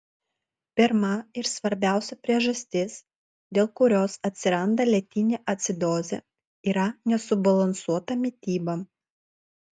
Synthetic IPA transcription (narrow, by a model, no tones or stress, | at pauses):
pʲɪɾmɐɪɾsʋɐɾʲbʲæˑʊsʲɛpʲɾʲiɛʒɐsʲt̪ʲɪs | d̪ʲeːlˠkʊɾʲoːsɐt̪ʲsʲɪɾɐnd̪ɐlʲɛt̪ʲɪnʲeʔɐt̪ʲsʲɪd̪oːzʲɛ̰ | iːɾɐnʲɛsʊbɐlˠɐnsuɔt̪ɐmʲɪt̪ʲiːbɐ